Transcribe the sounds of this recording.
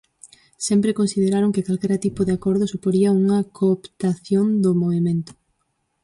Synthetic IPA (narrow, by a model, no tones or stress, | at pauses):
sɛmpɾekonsið̞eɾaɾoŋkɪkalkɛɾɐt̪ipʊðeakɔɾðʊsupoɾiɐuŋɐkoːpt̪aθjond̪ʊmoβimẽnt̪ʊ̥